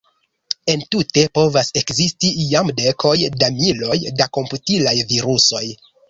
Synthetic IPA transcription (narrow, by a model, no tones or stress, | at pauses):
e̞ntute̞po̞vase̞kzistiiamde̞kʰo̞jdamilo̞jdako̞mputilajviɾuso̞j